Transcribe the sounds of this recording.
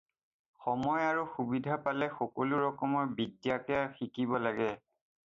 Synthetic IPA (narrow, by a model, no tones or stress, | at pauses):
xɔmɔjaɹuxubidʱapalɛxɔkoluɹɔkɔmɔbidjakjaxikibɔlaɡɛ